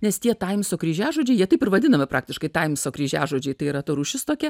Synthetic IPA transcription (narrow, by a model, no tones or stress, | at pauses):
nʲɛst̪ʲiɛt̪ɐɪmsoːkɾʲiːʒʲæːʒoːd͡ʒʲɛɪjiɛt̪ɐɪpɪɾʋɐd̪ʲɪnɐmʲɪpɾɑːkt̪ʲɪʃkɐɪt̪ɐɪmsoːkɾʲiːʒʲæ̰ːʒoːd͡ʒʲɛɪt̪ɐɪiɾɐt̪ʊɾuːʃʲɪst̪oːkʲɛ